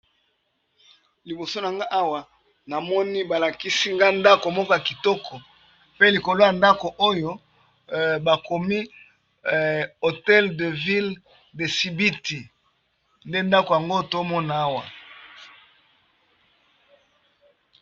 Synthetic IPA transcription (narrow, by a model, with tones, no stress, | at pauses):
li˨bo˨so˦na˨ŋɡa˦ʔa˦wa˨ | na˨mɔ˦ni˦ba˨la˨ki˦si˦ŋɡa˦nda˦ko˨mɔ˦kɔ˦ja˨ki˨tɔ˦kʰɔ˨ | pe˦li˨ko˨lo˦ja˨nda˦ko˨ʔo˦jo˦ | ba˨ko˨mi˦ | o˨tɛ˦lde˨vi˦l | de˨si˨bi˦ti˨ | nde˦nda˦ko˨ja˨ŋɡo˦˨to˦mɔ˦na˨a˦wa˨